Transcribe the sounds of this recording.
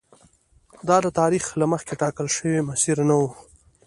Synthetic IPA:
d̪ɑd̪ət̪ɑɾixlaməxkeʈɑkəlʃəwimasiɾnawu

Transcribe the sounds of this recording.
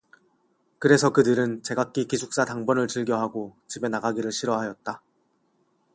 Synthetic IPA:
kɯɾe̞sʰʌkɯdɯɾɯnt͡ɕe̞ɡak͈ikisʰuk̚s͈ataŋbʌnɯɭt͡ɕiɭɡjʌɦaɡot͡ɕibe̞naɡaɡiɾɯɭɕʰiɾʌɦajʌt̚t͈a

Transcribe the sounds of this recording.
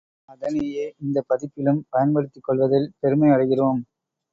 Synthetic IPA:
ɐðɐnejeːʔɪnd̪ɐpːɐðɪpːɪlɯmpɐjɐnpɐɽɯt̪ːɪkːɔɭʋɐðɪlpɛɾɯmɐɪɐɽɐɣɪroːm

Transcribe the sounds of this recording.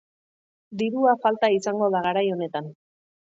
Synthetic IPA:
d̪iɾuafalt̪aisaŋɡo̞ð̞aɣ̞aɾajo̞ne̞t̪an

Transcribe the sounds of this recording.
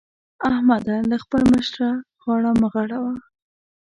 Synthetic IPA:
ahmad̪aləxpəlməʃɾa | ɣwɑɽaməɣaɽawa

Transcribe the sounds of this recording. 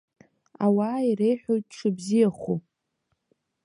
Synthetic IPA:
awaːiɾejħʷᶣojt̚ʼʈ͡ʂʰɨbzijaχu

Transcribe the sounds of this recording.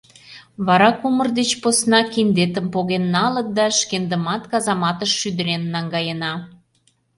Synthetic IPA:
βɑɾɑkumə̆rd̪et͡ɕposnɑkind̪et̪əmpoɣenːɑlə̆t̪̚d̪ɑʃkend̪ə̆mɑt̪kɑzɑmɑt̪əʃːyd̪ə̆ɾenːɑŋɡɑjənɑ

